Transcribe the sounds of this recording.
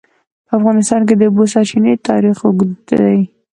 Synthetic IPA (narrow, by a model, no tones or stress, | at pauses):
pəafɣɑnɪst̪ɑnk̬ed̪əbosɑɾt͡ʃinet̪ɑɾixwʊɡ̪d̪aj